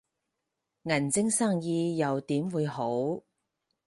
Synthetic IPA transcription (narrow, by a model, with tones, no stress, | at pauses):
ŋɐ˨˩nt͡sɪ˥ŋsaː˥˩ŋjiː˧jɐ˨wt̪iː˨˥mwuː˨˧jho˨˥w